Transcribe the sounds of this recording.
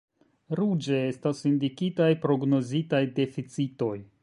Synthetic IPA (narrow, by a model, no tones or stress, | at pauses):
ɾud͡ʒe̞e̞stasindikitajpɾo̞ɡno̞zitajde̞fit͡sito̞j